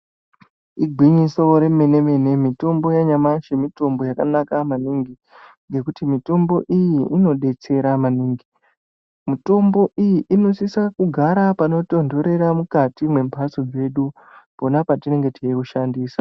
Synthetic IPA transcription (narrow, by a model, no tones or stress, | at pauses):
iɡʱwiɲiso̞ɾe̞me̞ne̞me̞ne̞mito̞mbo̞jaɲamaʃemito̞mbo̞jakanakamaniŋɡi | ŋɡe̞kutimito̞mbo̞ʔijiːno̞ɗe̞t͡se̞ɾamaniːŋɡi | mito̞mbo̞ʔijiʔino̞sisakuɡʱaɾapano̞to̞ndo̞ɾe̞ɾamukatimwe̞mpasod͡ze̞ɗu | po̞napatine̞ŋɡe̞tiikuʃandiːsa